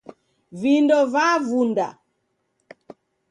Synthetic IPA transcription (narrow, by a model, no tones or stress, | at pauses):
vindɔvavunda̰